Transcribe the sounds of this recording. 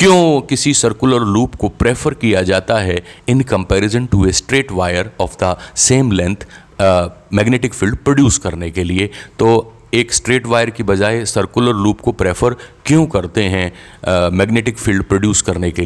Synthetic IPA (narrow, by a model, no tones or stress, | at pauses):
kjõːkɪsisɐɾkʊləɾluːpkopɾeːfəɾkijad͡ʒaːt̪aɦɛɪ̃nkɐ̃mpɛːɾɪzə̃nʈuesʈɾeːʈʋaːjəɾɔːfd̪ɐseːmlɛ̃nt̪ʰ | mɛːɡneːʈɪkfɪlɖ̚pɾoɖjuːskɐɾnekeliet̪oː | eːksʈɾeːʈʋaːɪjəɾkibɐd͡ʒaːesɐɾkjʊləɾluːpkopɾeːfəɾkjõːkɐɾt̪eɦɛ̃ | mɛːɡneːʈɪkfɪlɖpɾoːɖjuːskɐɾneke